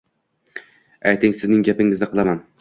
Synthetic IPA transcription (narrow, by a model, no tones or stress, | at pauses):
ajt̪ʰɪŋsɪznɪŋɡʲapɪŋɪznɪqʰɨlˠaman